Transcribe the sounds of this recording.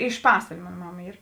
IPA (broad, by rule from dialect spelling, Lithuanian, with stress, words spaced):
ɪʃ ˈpɑːsʋɐlʲeː ˈmoːn ˈmɑːmɐ ˈiːr